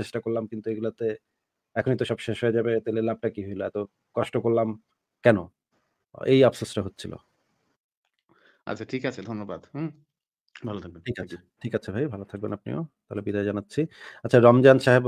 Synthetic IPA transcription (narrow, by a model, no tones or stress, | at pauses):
eʃʈakoɾlamkint̪ueɡulat̪e | ɛkʰonit̪oʃɔbʃeʃɦoed͡ʑabet̪eleɾlab̚ʈakiɦojloɛt̪o | kɔʃʈokoɾlam | kɛno̰ | ḛjabsosʈaɦot̪ːɕʰilo̰ | a̰t͡ɕʰaʈʰikat͡ɕʰed̪ʱonːobad̪ | bʱalot̪ʰak̚beʈʰikat͡ɕʰ | ʈʰikat͡ɕʰebʱajbʱalot̪ʰak̚benap̚nio̰t̪aɦlebid̪aed͡ʑanatːɕʰiatːɕʰaɾɔmd͡ʑanʃaɦeb